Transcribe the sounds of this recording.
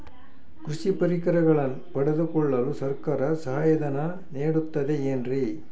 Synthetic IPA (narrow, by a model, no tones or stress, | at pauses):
kɾuʂipɐɾikɐɾɐɣɐɭɐn | pɐɽɐd̪ukɔɭːɐlusɐɾkaːɾɐsɐɦaːjɐd̪ɐnɐ | neːɽut̪ːɐd̪eendri